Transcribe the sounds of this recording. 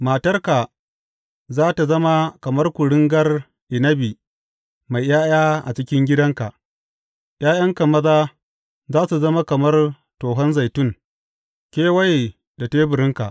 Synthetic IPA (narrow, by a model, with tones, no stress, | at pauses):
maː˨tɐ˦rka˨ | zaː˦ta˨zɐ˦ma˦kɐ˨mɐ˦rkʷʊ˨ɽɪ˦ŋɡɐ˦r | ʔɪ˨nɐ˦bi˨ | ma˨jjaː˦j̰aː˦ʔa̰˨t͡ʃɪ˦kʲɪ˦ŋɡʲɪ˦dɐ˦ŋka˨ʔ | jaː˦jɐ˦ŋka˨mɐ˦ðaː˦ | zaː˦su˨zɐ˦ma˦kɐ˨mɐ˦r | toː˨ɦɐ˦nza˨jtʊ˦ŋ | kʲeː˦wɐ˦j | da˨teː˦bʊ˨ɾɪ˦ŋka̰˨ʔ